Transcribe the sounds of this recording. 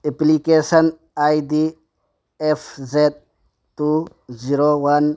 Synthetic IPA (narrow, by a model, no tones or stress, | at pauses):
eplikesɐn | ajdi | efzed̪̚ | tːu | ziɾowan